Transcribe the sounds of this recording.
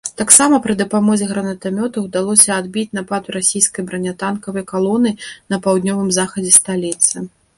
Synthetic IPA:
t̪aksamɐpɾɨd̪ɐpamɔzʲɛɣɾɐnɐt̪amʲɔt̪ɐwd̪alˠɔsʲɐːd̪̚bʲit͡sʲnapat̪ɾasʲijskɐjbɾɐnʲat̪ankɐvɐjkalˠɔnɨnɐpawd̪nʲɔvɨmzaxɐd͡zʲɛst̪alʲit̪sɨ

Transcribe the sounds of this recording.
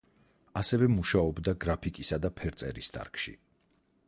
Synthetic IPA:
asɛvɛmuʃaɔbd̪aɡɾapʰikʼisad̪apʰɛɾt̪sʼɛ̰ɾist̪ʰʼa̰ɾkʰʼʃḭ

